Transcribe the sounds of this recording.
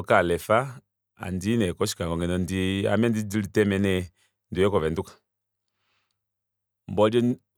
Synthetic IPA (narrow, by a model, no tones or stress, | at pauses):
kalɛfa | a̰ndinɛkɔʃi̥kaŋɡɔŋɡɛnɔndia̰mɛndidilitɛmɛnɛ | ndujɛkɔvɛndukḁ | mbɔdɔ